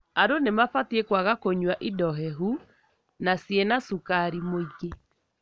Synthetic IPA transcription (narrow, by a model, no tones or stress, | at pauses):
aɾonemafatiekwaɣakoɲwaʔidɔɦɛɦu | nasjenasukaɾimoiɣe